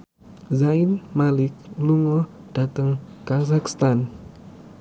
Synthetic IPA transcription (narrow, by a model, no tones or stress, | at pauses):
zainmalɪk̚luŋɔd̥at̪əŋkazakst̪an